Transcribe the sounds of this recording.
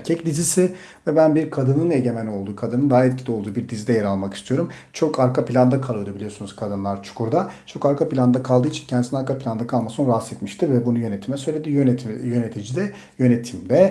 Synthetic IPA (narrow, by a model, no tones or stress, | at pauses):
ɾcʰɛcd̪ʲizisɪ | vɛbænbiɾkʰad̪ɯnɯne̞ɟe̞mæno̞lˠd̪uːkʰad̪ɯnɯnd̪aɦaɛt̪̚cʰilʲio̞lˠd̪uːbiɾd̪izid̪ɛjeɾalˠmakist̪ʰijo̞ɾumt͡ʃʰo̞kaɾkʰapilʲand̪akʰalˠɯjod̪ubilʲijo̞sunuz̥kʰad̪ɯnlˠaɾt͡ʃʰu̥kʰuɾd̪at͡ʃʰo̞kaɾkʰapilʲand̪akʰalˠd̪ɯːit͡ʃʰi̥ncʰɛnd̪isnaɾkʰapʰilʲand̪akʰalˠmasɯnɾasɛt̪miʃt̪ivɛbunujønet̪ʰimɛsø̞jlʲe̞d̪iːjøjønet̪ʰid͡ʒid̪ɛ | jø̞net̪ʰimd̪ɛ